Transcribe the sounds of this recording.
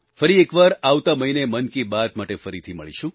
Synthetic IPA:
fəɾiekʋaɾaʋt̪aməɦinemənkibat̪maʈefəɾit̪ʰimə̰ɭḭʃʰũ

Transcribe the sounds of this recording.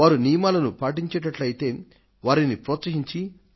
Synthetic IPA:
aːɾunijɐmaːlɐnupaːʈ̬iɲt͡ʃɛʈɐʈlɐjit̪e̞ː | ʋaːɾinipɾɔːt̪sɐɦiɲt͡ʃi

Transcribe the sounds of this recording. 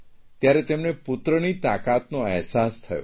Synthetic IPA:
t̪jaɾet̪emnepʊt̪ɾənit̪akat̪noɛɦsast̪ʰəjo̰

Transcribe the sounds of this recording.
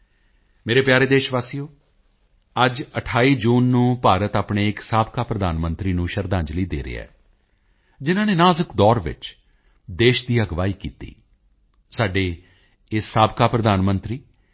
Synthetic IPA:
meːɾeːpjaːɾeːd̪eːʃʋaːsijõː | əd͡ʒəʈʰaːiːd͡ʒuːnːũːpaːɾət̪aːpɳeːɪksaːbkaːpɾəd̪aːnmə̃nt̪ɾiːnũːʃəɾd̪ãːɲd͡ʒliːd̪eːɾḛːɛ̰ː | d͡ʒɪnãːneːnaːzəkd̪ɔːɾʋɪ̰t͡ʃ | d̪eːʃd̪iːəɡʋaːiːkiːt̪ḭː | saːɖeː | ɪsːaːbkaːpɾəd̪aːnmənt̪ɾiː

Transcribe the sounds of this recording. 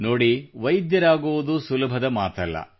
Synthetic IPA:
noːɽiʋɐjd̪jɐɾaːɡuʋud̪usulɐbʱɐd̪ɐmaːt̪ɐlːɐ̰

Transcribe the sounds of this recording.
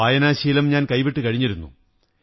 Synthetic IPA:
aːjɐnaːɕijilumɲaːnkɐjʋiʈːɨkɐɻiɲːiɾunːṵ

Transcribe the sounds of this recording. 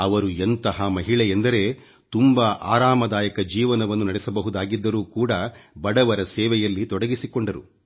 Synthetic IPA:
ɐʋɐɾuent̪ɐɦɐmɐɦiɭɛjend̪ɐɾe̞ | t̪umbɐʔa̰ːɾaːmɐd̪aːjɐkɐd͡ʒiːʋɐnɐʋɐnːunɐɽɛsɐbɐɦud̪aːɡid̪ːɐɾuːkuːɽɐbɐɽɐʋɐɾɐsɛːʋɛjɐlːit̪ɔɽɐɡisikoɳɖɐɾu

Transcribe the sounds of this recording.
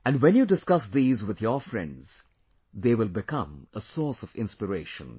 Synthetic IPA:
æ̃nɖwɛ̃njuːdɪskʌsd̪iːzwɪðjɔfɾɛ̰̃ndz̥ | d̪eːwɪlˠbɪkʰʌ̰̃məsɔːsɔvɪ̃nspɪɾeɪʃə̰̃n

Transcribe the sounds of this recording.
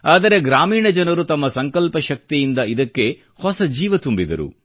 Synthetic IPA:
aːd̪ɐɾe̞ɡɾaːmiːɳɐd͡ʒɐnɐɾut̪ɐmːɐsɐŋkɐlpɐʃɐk̚t̪ijind̪ɐid̪ɐkːe̞ | hɔsɐd͡ʒiːʋɐt̪umbid̪ɐ̰ɾṵ

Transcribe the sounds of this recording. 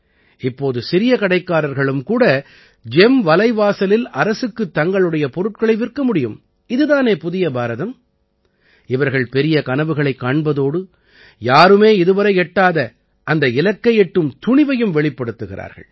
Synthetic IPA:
ɪpːoːðɯsɪɾɪjɐkɐɽɐɪkːaːɾɐɾɣɐɭɯmkuːɽɐ | d͡ʒɛmʋɐlɐɪʋaːsɐlɪlɐɾɐsɯkːɯt̪ːɐŋɡɐɭɯɽɐjɐpɔɾɯʈ̚kɐɭɐɪʋɪrkɐmʊɽɪjɯm | ɪðɯðaːneːpʊðɪjɐbaːɾɐðɐm | ɪʋɐɾɣɐɭpɛɾɪjɐkɐnɐʋɯɣɐɭɐɪkːaːɳbɐðoːɽɯ | jaːɾɯmeːɪðɯʋɐɾɐɪɛʈːaːðɐ | ʔɐnd̪ɐɪlɐkːɐjɛʈːɯmt̪ʊɳɪʋɐjɯmʋɛɭɪpːɐɽɯt̪ːɯɣɪɾʔa̰ːɾɣɐ̰ɭ

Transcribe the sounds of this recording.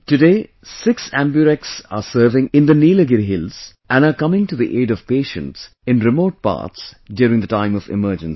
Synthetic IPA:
tɨɖeː | sɪksæ̃mbjuɾɛk̚sa̰ːsəɾʋɪ̃ŋɪ̃nd̪əniːləɡɪɾɦɪlz̥ | ʔæ̃nakʌmɪ̃ŋʈuðiʔeːɖɔv̥peːʃə̰̃nʈs | ɪ̃nɾɪmoːʈ̚pa̰ːtsdjʊːɾɪ̃ŋd̪ətãɪ̃mɔvɪ̰məːd͡ʒə̃ns

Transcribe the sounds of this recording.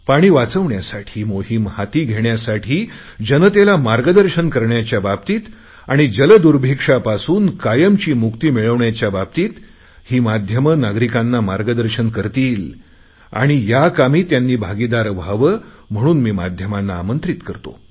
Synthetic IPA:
paɽ̃iːʋat͡səʋɳjasaʈʰiːmoɦimhat̪iːɡʱeɳjasaʈʰiː | d͡ʑənət̪elamaɾɡəd̪əɾɕənkəɾɳjat͡ɕjabab̚t̪iːt̪ | aɽ̃id͡ʑələd̪uɾbʱikʂapasuːnkajəmt͡ɕiːmukt̪iːmiɭəʋɳjat͡ɕjabab̚t̪iːt̪ | hiːmad̪ʱjəmənaɡɾikanːamaɾɡəd̪əɾɕənkəɾt̪iːl | a̰ɽ̃ijakamiːt̪janːiːbʱaɡid̪aɾʋaʋəm̤əɽ̃uːnmiːmad̪ʱjəmanːaːmənt̪ɾit̪kəɾt̪o̰

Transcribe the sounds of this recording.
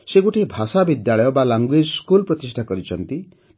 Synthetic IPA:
seɡuʈʰebʱasabid̪jaɭɔjɔbalaŋɡued͡ʒskulpɾɔt̪isʈʰakɔɾit͡ʃʰɔnt̪i

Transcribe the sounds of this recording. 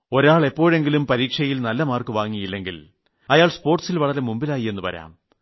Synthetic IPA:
o̞ɾaːɭe̞pːo̞ːɻe̞ŋɡilumpɐɾiːkʂɐjilnɐlːɐmaːrkɨʋaːŋːijilːe̞ŋɡil | ɐjaːɭspo̞ːrʈsilʋɐɭɐɾemumbilaːjie̞nːupɐ̰ɾa̰ːm

